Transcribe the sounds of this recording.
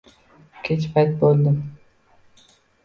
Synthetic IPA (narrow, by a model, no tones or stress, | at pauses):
kʲʰet͡ʃpʰajt̪̚bolˠd̪ɪm